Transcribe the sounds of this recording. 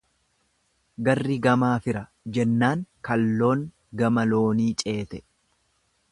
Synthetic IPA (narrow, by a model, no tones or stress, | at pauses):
ɡɐrːɪɡɐmaːfɪɾɐ | d͡ʒɛnːaːŋkɐlːo̞ːŋ | ɡɐmɐlo̞ːniːt͡ʃʼe̞ːt̪ɛ̥